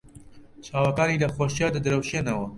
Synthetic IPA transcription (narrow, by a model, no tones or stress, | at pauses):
t͡ʃʰaːwɐkaːniːlɐxoːʃijaːd̪ɨd̪ɨɾɐwʃeːnɐwɐ